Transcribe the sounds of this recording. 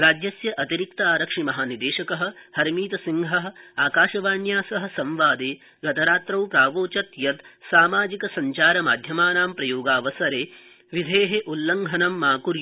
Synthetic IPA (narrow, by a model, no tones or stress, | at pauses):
ɾaːd͡ʒjɐsjɐʔɐt̪iɾik̚t̪aːɾɐkʂimɐɦaːnid̪eːʃɐkɐɦɐ̆hɐɾmiːt̪ɐsiŋɦɐɦɐ̆aːkaːʃɐʋaːɳjaːsɐɦɐ̆sɐ̃mʋaːd̪eː | ɡɐt̪ɐɾaːt̪ɾɐwpɾaːʋoːt͡ʃɐt̪jɐt̪saːmaːd͡ʒikɐsɐɲt͡ʃaːɾɐmaːd̪ʱjɐmaːnaːmpɾɐjoːɡaːʋɐsɐɾeː | ʋid̪ʱeːɦeʔulːɐŋɡʱɐnɐmːaːkuɾj